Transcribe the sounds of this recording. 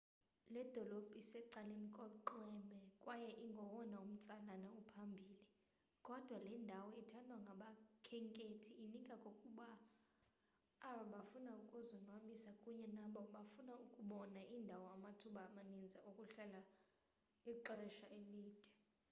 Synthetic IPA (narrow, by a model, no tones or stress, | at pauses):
lɛd̥ʱɔlob̥ʱisɛǀalem̩kʼɔǃwɛmɛkʼwajɛʔiŋɡʱɔwɔnaum̩t͡sʼalanaupʰambʱiːli | kʼɔd̥ʱwalɛndʱawɔitʰandʱwaŋɡʱaɓakʰɛŋkʼetʰiːnikʼakʼokʼuɓa | ɓaɓafunaukʼuzɔnwaɓisakʼuɲɛnaɓɔɓafunaukʼuɓɔnaʔindʱawɔamatʰuɓaːmanind͡zʱaʔukʼuɬɛla | iǃrɛʃaʔeliːd̥ʱɛ